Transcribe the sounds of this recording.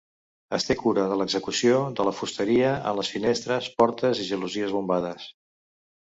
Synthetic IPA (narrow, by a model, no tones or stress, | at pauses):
əst̪ekuɾəðələɡzəkusioðələfust̪əɾiəə̰nləsfinest̪ɾəspɔɾt̪əziʒəluziəzβumbaðəs